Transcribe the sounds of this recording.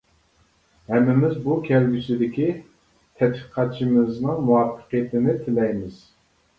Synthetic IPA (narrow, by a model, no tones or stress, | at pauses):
hɛmːɪmɪzbukʲʰɛlɡʲysɪd̪ɪkʲi | t̪ʰɛt̪biqʰɑt̪̚t͡ʃʰimɪznɨŋmuwɑpʰːə̥qijɪt̪ʰɪnɪt̪ʰɪlɛjmɪz̥